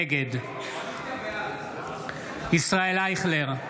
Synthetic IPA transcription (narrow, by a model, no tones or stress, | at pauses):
eɡed̪ | isʁaelaiχleʁ